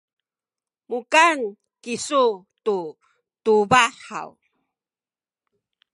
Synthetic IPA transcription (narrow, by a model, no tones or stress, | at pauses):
mukan | kisu | tu | tubaħa̰w